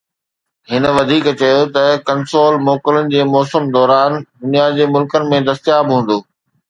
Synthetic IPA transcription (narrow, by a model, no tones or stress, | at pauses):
ɦɪn̆ʋɐd̪ʱiːkt͡ɕɐjot̪ɐkɐnsoːlmɔːkələnɪ̆d͡ʑeːmɔːsəmd̪ɔːɾaːnd̪ʊnijad͡ʑeːmʊlkənɪ̆mẽd̪ɐst̪jaːbɦũːn̆d̪oː